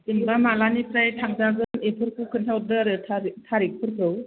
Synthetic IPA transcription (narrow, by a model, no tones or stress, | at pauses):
imbamalanipɾajtʰaŋ̚daɡɯnepʰɯɾkʰukʰɯntʰaw̚dɯɾɯtʰatʰaɾik̚pʰɯɾkʰɯw